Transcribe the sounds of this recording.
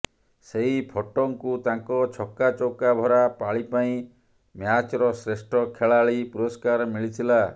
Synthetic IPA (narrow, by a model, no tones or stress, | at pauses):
seɦipʰɔʈɔŋkut̪aŋkɔt͡ʃʰɔkat͡ʃowkabʱɔɾapaɭipaĩ | mjat͡ʃɔɾɔsɾesʈʰɔkʰeɭaɭipuɾɔskaɾɔmiɭit̪ʰila